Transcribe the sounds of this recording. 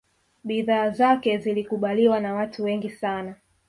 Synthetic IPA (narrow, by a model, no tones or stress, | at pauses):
ɓiðaːzakɛzilikuɓaliwanawatʰuwɛŋɡisana